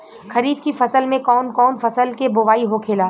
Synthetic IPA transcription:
xɐɾiːd̪kifɐsəlmẽkɔːnkɔːnfɐsəlkebʊʋaːiɦokʰeːlaː

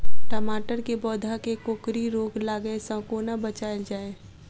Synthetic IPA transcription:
ʈəmaːʈəɾkebɔːd̪ʱakekoːkɾiɾoːɡlaːɡəesə̃koːnabət͡ʃaːɪld͡ʒaːeː

